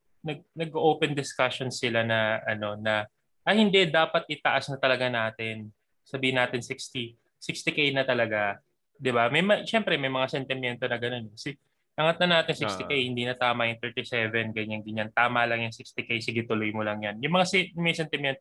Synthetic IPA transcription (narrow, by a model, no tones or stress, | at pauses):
nɐɡ̚nɐɡʔoʔoːwpɛnd̪ɪskaʃonsɪlanɐʔɐno̞nɐ | ʔɐhɪnd̪ɛd̪aːpɐt̪̚ʔɪt̪ɐʔasnɐt̪ɐlɐɡanaːt̪ɪn | sɐbiːhɪnːaːt̪ɪnsikst̪i | sɪkst̪ɪkejnɐt̪ɐlɐɡa | d̪ɪbamɐjmɐʃɛmpɾɛmɐjmɐŋasɛnt̪ɪmjɛnt̪o̞nɐɡɐnonkɐsɛ | ʔɐŋɐt̪nɐnaːt̪ɪnsɪkst̪ɪkejhɪnd̪iːnɐt̪aːmɐjʊŋt̪ɛɹt̪isɛvɛnɡɐɲaŋɡɐɲant̪aːmɐlɐŋjʊŋsɪkst̪ɪkejsɪɡɪt̪ʊlojmolɐŋjanjʊŋmɐŋasɛjmɐjsɛnt̪ɪmjɛnt̪o